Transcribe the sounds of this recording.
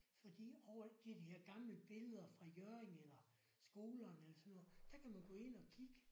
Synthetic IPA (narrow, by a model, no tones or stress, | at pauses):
fɒ̽d̥ḭːɒʊ̰ɐd̥iæd̥iheɐ̰ɡ̥ɑ̈mləb̥e̝ləð̞ˠɐfʁɑ̈jøɐeŋelɐ | sɡ̥o̝ːlɐːnelɐsɒ̽nːɔðˠd̥æ̈kʰæmænɡ̥ɔ̽ːe̝n̰ɒ̽kʰiɡ̥ə